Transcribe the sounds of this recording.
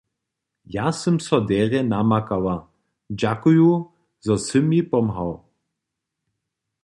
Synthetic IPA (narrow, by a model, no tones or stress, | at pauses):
jasəmsɔdɛːʁɛnamakawa | d͡ʑakuju | zɔsɨmipɔmɦaw